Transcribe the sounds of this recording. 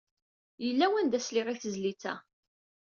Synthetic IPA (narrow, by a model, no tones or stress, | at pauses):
jəlːæwænd̪æsliʁiθəzlit͡sːæ̰